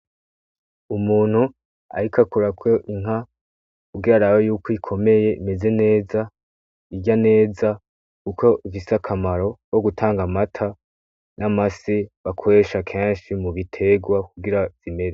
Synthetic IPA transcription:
umuːn̥hu | a̰ɾikakuɾakʰo̞ʔiŋɦa | kuɡiɾaɾawajuːkoikʰo̞me̞je̞ime̞ze̞ne̞ːza | iɟane̞ːza | kuko̞ivisakʰamaɾo̞woɡutʰaːŋɡamatʰa | namasiβakʰo̞ɾe̞ʃakʰe̞ːnʃimuβitʰe̞ɡwakuɡiɾaz̥ime̞ɾe

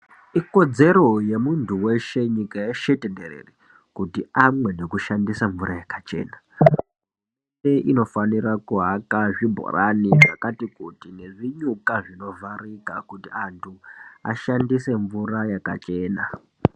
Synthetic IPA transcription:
iko̞d͡ze̞ɾo̞je̞muntuwe̞ʃe̞ɲikajeʃetenderḛre | kutiamwe̞ne̞kuʃandisaɱvuɾʔajakat͡ʃe̞̰ːna | seʔino̞faniɾakuɦakaʐibʱo̰raniʐa̰katikutine̞ʐiɲukaʐino̞varikakutiantʰua̰ʃandise̞ɱvuɾajaka̰t͡ʃe̞ːna

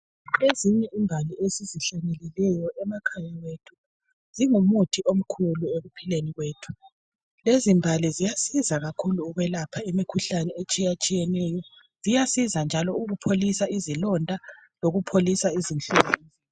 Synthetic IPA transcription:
leziɲɛʔimbʱaliesiziɬanɛlilɛjɔʔɛmakʰajawetʰu̥u | z̥iŋumutʰiʔom̩kʰulueɣupʰileniɣweːtʰu̥ | lezimbʱalizijasizaɣakʰuluːɣɛlapʰaimikʰuɬanɛet͡ʃʼijat͡ʃʼijɛnɛjɔ | zijasizand͡ʒʱalɔuɣupʰolisaizilɔndʱa | loɣupʰolisaizinɬuɣani

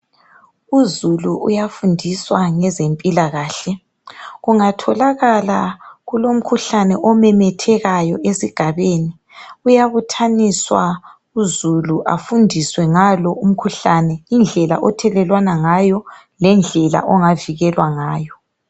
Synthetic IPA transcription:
uzuluṵjafundʱiswaŋɛzempʼilaɣaːɬɛ | ɣuŋatʰɔlaɣalaɣulom̩kʰuɬanɛʔɔmɛmɛtʰɛɣajɔʔesiɡ̥ʱaβeni | ujaβutʰaniswa | uzuluʔa̰fundʱiswɛŋalɔum̩kʰuɬanɛind͡ɮʱɛla̰ʔɔtʰɛlɛlwanaŋajɔ | lɛnd͡ɮʱɛla̰ʔɔŋaviɣɛlwaŋaːjɔ

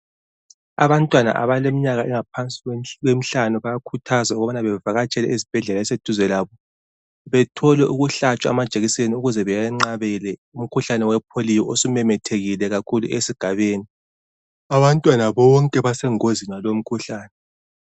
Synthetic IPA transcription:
a̰βantʼwana̰ʔa̰βalemiɲaɣaʔɛŋapʰant͡sʼiɣwem̩ɬanɔβajakʰutʰazauɣɔβanaβɛvaɣat͡ʃʼɛlɛʔizib̥ʱɛɮɛlaɛsed̥ʱuzɛlaβɔ | βɛtʰɔlɛʔuɣuɬat͡ʃʼaa̰mad̥ʒ̥ʱeɣiseniuɣuzɛβɛjaŋ͡ǀaβɛlɛum̩kʰuɬanɛwɛpʰolijɔʔosumɛmɛtʰeɣilɛɣakʰulṵesiɡ̥ʱaβeːni | aβantʼwanaβɔŋkʼɛβasɛŋozinalom̩kʰuɬaːnɛ

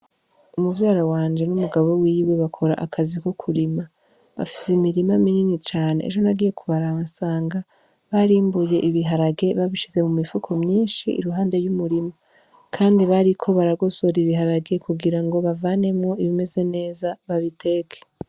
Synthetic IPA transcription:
umuvjaːɾawaːnd͡ʒe̞numuɡaβo̞wiːwe̞βakʰo̞ɾa̰ʔakʰaziko̞kʰuɾima | βa̰fi̥semiɾimamiɲiɲit͡ʃaːne̞̰ḛʒo̞naɡije̞kuβaɾaasaːŋɡa | βaɾiːmbuje̞ʔiβiɦaɾaɡe̞βaβiʃize̞mumifukʰo̞mɲiːnʃḭːɾuɦaːnde̞jumuɾima | kʰaːndiβaɾikʰo̞βaɾaɡo̞so̞ɾiβiɦaɾaɡe̞kuɡiɾaŋɡo̞βavane̞mŋo̞iβime̞ze̞ne̞ːzaβaβitʰe̞ːkʰe̥

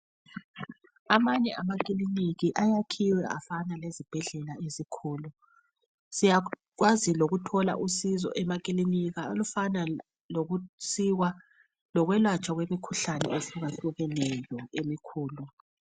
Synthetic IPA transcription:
amaɲɛʔamak̬ʼiliniɣiʔajakʰiwɛafanalezib̥ʱɛɮɛlaezikʰuːlu | sija | ɣwaziloɣutʰɔla̰ʔusizɔ̰ʔɛmak̬ʼiliniɣaolufana | loɣusiɣwa | lɔɣwɛlwat͡ʃʼwaɣwemikʰuɬanɛ̰esuɣaɬuɣɛnɛjɔemikʰuːlu

